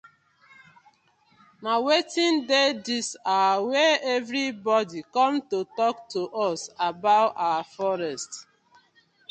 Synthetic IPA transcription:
mawetĩndedisaweɛvɾibɔdikɔ̃mtotɔktoʔɔsabaʊtawafɔɹɛst

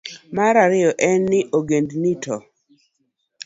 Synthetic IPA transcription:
maɾaɾɪjɔʔɛnːɪʔoɡendnitʰɔ

